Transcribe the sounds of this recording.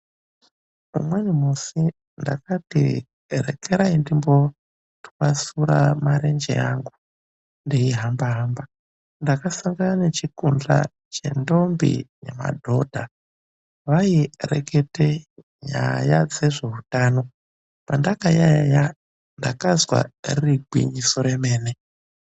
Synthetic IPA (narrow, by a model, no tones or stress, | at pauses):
ṵmwenimusi | nda̰katḭ | rḛkeɾaindimbo̞ | tu̥kasuɾa̰maɾe̞nd͡ʒḛaŋɡu | ndiiɦambaɦaːmba | ndakasaŋɡananet͡ʃikund͡ɮa̰ | t͡ʃe̞̰ndo̞mbḭnḛma̰dʱo̞dʱa | ʋairḛkʰe̞te | ɲa̰jad͡ze̞ʐe̞ɦutaːno̞ | pandakajaja | ndakazwa̰ririɡʱwḭɲiso̞ɾe̞me̞ːne